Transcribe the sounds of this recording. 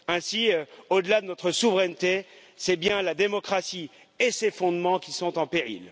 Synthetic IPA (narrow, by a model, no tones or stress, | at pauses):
ɛ̃siøod̪əlad̪ənɔt̪χəsuvʁɛnt̪e | sɛbjɛ̃lad̪emɔkχasi | esefɔ̃d̪mɑ̃kʲisɔ̃t̪ɑ̃peʁḭl